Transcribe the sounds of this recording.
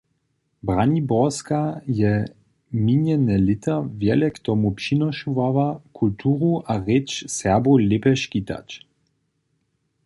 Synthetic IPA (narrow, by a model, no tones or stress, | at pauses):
bʁanibɔskajɛ | minɛnɛlɪt̪ʰəvjɛlɛkt̪ɔmupʃinɔʃuvavakʰult̪ʰuːʁuʔaʁɛt͡ʃsɛʁbʁulepɛʃkit̪a̰t͡ʃ